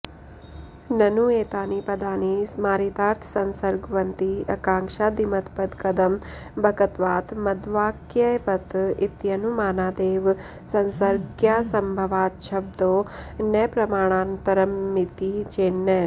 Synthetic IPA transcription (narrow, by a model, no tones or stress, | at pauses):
nɐnueːt̪aːnipɐd̪aːnismaːɾit̪aːɾt̪ʰsɐnsɐɾɡʋɐnt̪iɐ̰kaːŋkʃaːd̪imɐt̪pɐd̪kɐd̪ɐmbʱɐkɐt̪ʋaːt̪mɐd̪ʋaːkjɐjʋɐt̪it̪jɐnumaːnaːd̪eːʋ | sɐnsɐɾɡjasɐmbʱɐʋaːʃʰɐb̚d̪onɐpɾɐmaːɳ̃aːnpɐɾɐmːit̪it͡ʃeːnːə